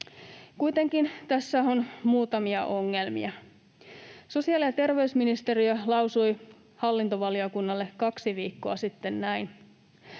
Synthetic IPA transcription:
kujt̪e̞ŋkint̪æsːæo̞nmuːt̪ɑmiɑʔo̞ŋːe̞lmḭɑ | so̞siɑlijɑt̪e̞rʋe̞ysminist̪e̞ɾiølɑwsuj | hɑlːint̪o̞ʋɑlio̞kunːɑlːe̞kːɑksiʋiːkːoɑsit̪ːe̞nnæjn

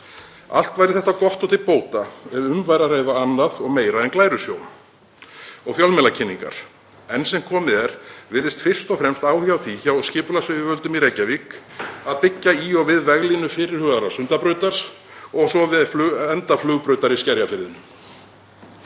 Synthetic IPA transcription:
a̰l̥t̪vajɾɪθɛht̪ːakɔht̪ɔt̪ʰɪlpoːwt̪aɛɾʏmvajɾarejðaanːaðɔɣmeːjɾaɛnklaːjɾʏsjoːwn | ɔɣfjalmɛlacʰɪnːiŋka̰ɾ̥ | ɛnsɛmkʰɔːmɪðɛɾ̥vɪːɾɪst̪fɪr̥st̪ɔfɾɛmst̪aːwhjawθʰiçawɔscɪːpʏlasʏɪvœlt̪ʏmiɾejcːavikaðpɪcːaiɔɣvɪðvɛɣlinʏfɪːɾɪɾ̥hʏɣðaɾasʏnt̪apɾœɥt̪aɾ̥ | ɔɣsɔvɪflɛnt̪aflʏɣpɾœɥt̪aɾiscɛɾjafɪɾðɪnʏm

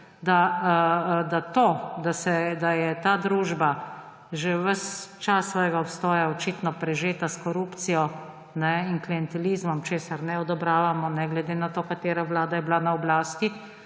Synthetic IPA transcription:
d̪a | d̪at̪oːd̪asɛd̪ajɛt̪aːd̪ɾuːʒba | ʒeʋəst͡ʃasːʋɔːjɡaɔpst̪ɔːjaɔt͡ʃiːt̪nɔpɾɛʒeːt̪askɔɾuːpt̪sijɔ | nɛinkliɛnt̪ɛliːzmɔmt͡ʃeːsaɾnɛɔd̪ɔbɾaːʋamɔnɛɡlɛd̪eːnat̪oːkat̪eːɾaʋlaːd̪ajɛblanaɔblaːst̪i

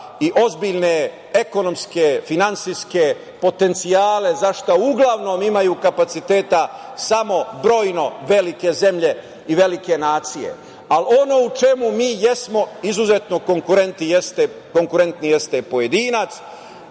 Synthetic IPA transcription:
iʔo̞zbiʎne | e̞ko̞no̞mske̞finantsiske̞ | po̞t̪e̞nt̪sijaːle̞zaʃt̪auɡlaʋno̞mimajuːkapat̪sit̪e̞ːt̪a | samo̞bɾo̞ːjno̞ʋe̞like̞ze̞mʎe̞ | iʋe̞like̞naːt̪sije̞̰ | alo̞no̞ut͡ʃe̞mumiːje̞smo̞izuzet̪no̞ko̞ŋkuɾent̪nijest̪e | ko̞ŋkuɾe̞nt̪nije̞st̪e̞po̞jed̪iːnat̪s

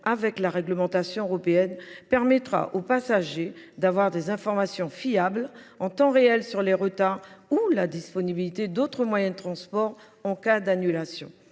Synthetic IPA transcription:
avɛklaʁɛɡləmɑ̃t̪asjɔ̃øʁɔpeɛnpɛʁmɛt̪χa̰ʔopasaʒed̪avwaʁd̪ezɛ̃fɔʁmasjɔ̃fiablɑ̃t̪ɑ̃ʁeɛlsyʁleʁət̪aʁulad̪ispɔnibilit̪ed̪ot̪χəmwajɛ̃d̪ət̪χɑ̃spɔʁ | ɑ̃kad̪anylasjɔ̰̃

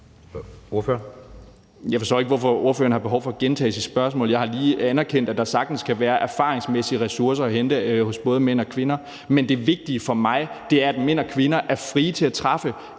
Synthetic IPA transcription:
oɐføɐn | jɑ̈ɪfɒsɔ̰ʊeɡ̥əʋɒfɒ̽o̝ɐfø̰ɐn̩hɑ̈b̥e̝ɦɒʊfɒ̽ɡ̥ent͡sʰɛ̰ːsisb̥ɶɐsmɔ̰ːljɑɪhɑ̈liːænæɐkʰen̰d̥æd̥ɑ̈sɑ̈ɡ̥̚d̥n̩skʰæʋæːɐʔæɐfɑ̰̈ːʁeŋsmesiəʁɛsuɐs̬ɐɒɦend̥əhɔ̽sb̥ɔ̽ːð̞ˠəmen̰ɒ̽kʰʋe̝nɐ | mend̥e̝ʋe̝ɡ̥̚d̥iəfɒ̽mɑ̈ɪd̥e̝æɐæd̥men̰ɒkʰʋe̝nɐʔæɐfʁiːt͡sʰe̝æt͡sʰʁɑ̈fə

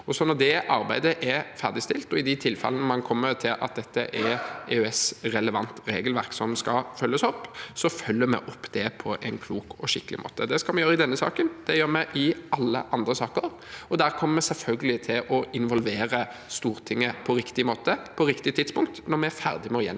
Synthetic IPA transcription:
ɔsɔnɔd̪ɛʔɑɾbæɪd̪əʔɛfæɾd̪ɪst̪ɪlt̪ɔɪd̪ɪt̪ʰɪlfɛ̰lənəmɑnkʰɔmːəɾt̪ʰɪlʔɑ̰t̪̚d̪ɛt̪ːəʔɛɾeœɛsɾɛləʋɑnt̪ɾeːɡəlʋæɾksɔmskɑfœlːəsɔpːsɔfœlːəɾmɛ̰ʔɔpːd̪̥ɛpʰɔʔɛɪnkʰluːkɔʃɪkːəlɪ̰mʔo̰ːt̪əd̪ɛskɑlmɛnjøːɾəɪd̪ɛnːəsɑ̰ːkənd̪ɛjøːɾmɛʔɪɑlːə̰ʔɑnd̪ɾəsɑːkəɾ | ɔd̪æːɾkʰɔmːəɾmɛsɛlfœlɡəlɪt̪ʰɪlʔɔɪnʋɔlʋeːɾəst̪uːɾt̪ʰɪŋːəpʰɔɾɪkt̪ɪmoːt̪əpʰɔɾɪkt̪ɪt̪ʰɪd̪spʊŋk̚t̪nɔɾmɛæɾfæɾd̪ɪmɛɔjɛ̰n

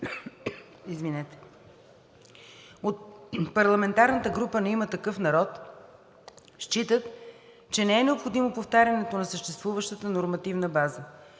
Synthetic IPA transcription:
izvinɛt̪ɛ̥ | ot̪̚pɐɾlˠɐmɛnt̪aɾnət̪əɡɾupənɛimət̪ɐkɤfnɐɾɔt̪ | ʃt͡ʃit̪ət̪ | t͡ʃɛnɛɛnɛopxod̪imopoft̪aɾʲjɐnɛt̪onɐsəʃt̪ɛst̪vuvəʃt̪ət̪ənoɾmɐt̪ivnəbazə

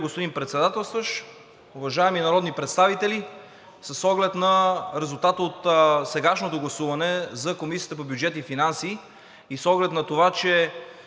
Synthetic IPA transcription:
ɡospod̪inpɾɛt̪sɛd̪at̪ɛlˠst̪vəʃ | ʊvɐʒaɛminɐɾɔd̪nipɾɛt̪st̪avit̪ɛli | səsɔɡlɛt̪nɐɾɛzulˠt̪at̪əot̪sɛɡaʃnot̪oɡlˠɐsuvɐnɛzɐkomisijə̥t̪əpobjud͡ʒɛt̪ifinansiː | isɔɡlɛt̪nɐt̪ovat͡ʃɛ

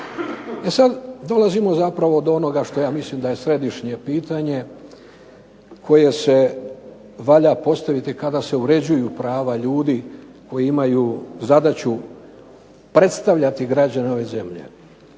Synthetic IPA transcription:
e̞sad̪d̪o̞lazimo̞zapɾaʋo̞d̪oo̞no̞ɡaʃt̪o̞jaːmislimd̪aje̞sɾe̞d̪iʃɲe̞piːt̪aɲe̞ | kʰo̞je̞se̞ | ʋaʎapo̞st̪aʋit̪ikad̪ase̞uɾe̞d͡ʑujupɾaːʋaʎuːd̪i | ko̞jiimajuːzad̪at͡ɕu | pɾe̞t̪st̪aʋʎat̪iɡɾad͡ʑaneo̞ʋe̞ze̞mʎe̞̰

